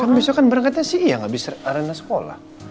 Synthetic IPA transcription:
kanbisakanbəɾaŋkat̪̚ɲasijaŋabɪsaɾənasə̥kola̰h

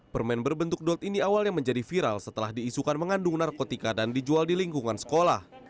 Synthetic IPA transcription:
pərmɛnbərbənt̪ʊuk̚dɔt̪iniawalɲaməɲd͡ʒadifiɾalsət̪əlahdiːsukanməŋandʊŋnarkot̪ikadandid͡ʒualdiliŋkuŋansə̥kolah

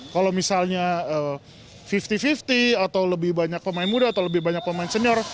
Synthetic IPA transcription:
kalowmisalɲaə | fift̪ifift̪iat̪awləbɪhbaɲak̚pəmaɪnmudaːt̪awləbɪhbaɲak̚pəmaɪinsəniɔr

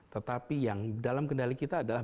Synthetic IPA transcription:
t̪ət̪apijaŋdalamkəndalikit̪aːdalah

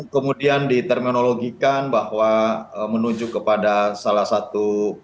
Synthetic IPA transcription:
kəmudiandit̪ərminoloɡikanbahwaəmənuɲd͡ʒʊkːəpadasalahsat̪u

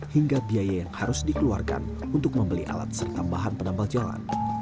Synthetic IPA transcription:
hiŋɡabiajajaŋhaɾʊsdikəluarka̰n | unt̪ʊk̚məmbəliʔa̰la̰t̪̚sərt̪ambaɦanpənambald͡ʒala̰n

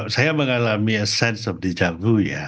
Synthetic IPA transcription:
sajaməŋalamiəsɛ̃nsɔfdəd͡ʒabuja̰

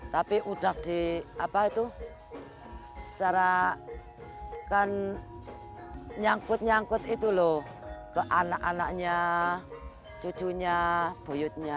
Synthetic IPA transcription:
t̪apiʔuɖ̥a̤kd̪̥i̤apait̪u | sə̥t͡ʃaɾa | kan | ɲaŋkʊt̪̚ɲaŋkʊt̪it̪ulɔ | kəʔanakanakɲa | t͡ʃu̥t͡ʃuɲab̥o̤jʊt̪̚ɲa

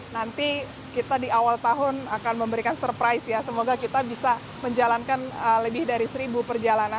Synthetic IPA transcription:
nant̪i | kit̪adiawalt̪aɦʊnakanməmbəɾikansərpɾajsjasəmoɡakit̪abisa | məɲd͡ʒalankanələbɪhdaɾisəɾibupərd͡ʒalana

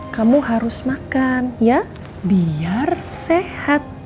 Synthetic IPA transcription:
kamuɦaɾʊsmakanja | biarsehat̪̚

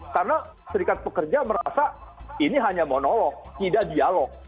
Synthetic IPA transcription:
karna | səɾikat̪̚pəkərd͡ʒaməɾasainiɦaɲamɔnɔlɔk̚t̪idaʔdialɔk̚

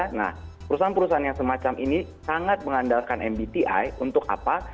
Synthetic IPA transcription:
na̰hpəɾusaanpəɾusaanjasəmat͡ʃamʔinisaŋat̪̚məŋandalkanʔɛmbit̪iʔa̰junt̪ʊk̚a̰pa

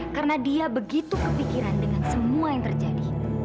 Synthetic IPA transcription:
kaɾənadiabəɡit̪ukəpikiɾandəŋansəmuajaŋt̪ərd͡ʒadi

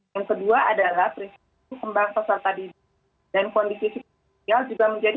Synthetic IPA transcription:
jaŋkəduaadalahpɾins | ukəmbaŋpasalt̪adi | dankɔndisisi | iald͡ʒuɡaməɲd͡ʒad

